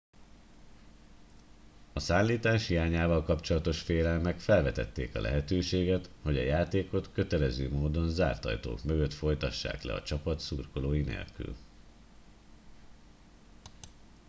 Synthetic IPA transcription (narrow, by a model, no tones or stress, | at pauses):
ɒsaːnliːt̪aːʃhiaːɲaːvɒlkɒpt͡ʃo̞lɒt̪o̞ʃfeːlɛlmɛkfɛlvɛt̪ɛ̰t̪ːḛːkɒ̰lʔɛ̰ɦɛt̪øːʃeːɡɛt̪ho̞ɟɒjaːt̪eːko̞t̪kø̞t̪ɛlɛzø̰ːmoːd̪o̞nza̰ːrt̪ɒ̰jt̪o̰ːkmøɡø̞t̪fo̞jt̪ɒʃːa̰ːklɛ̰ɒ̰t͡ʃɒpɒt̪suːrko̞loːjinḛːlky̰l